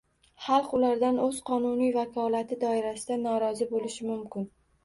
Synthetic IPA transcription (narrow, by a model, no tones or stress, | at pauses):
χɑlˠqʊlaɾd̪anɵz̥qʰɒnʊnijvakʰɒlat̪ʰɪd̪ɒɪɾasɪd̪anɒɾɒzɪbolɪʃɪmʊmkʲɪn